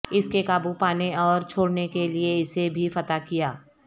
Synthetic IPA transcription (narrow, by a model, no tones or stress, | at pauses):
ɪskekaːbupaːneɔːɾt͡ʃʰoːɽnekelieɪsebʱifɐt̪akijaː